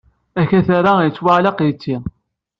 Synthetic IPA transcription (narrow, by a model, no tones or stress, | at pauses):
æçæθaɾajət͡sːwaʕlɑqjət͡sːi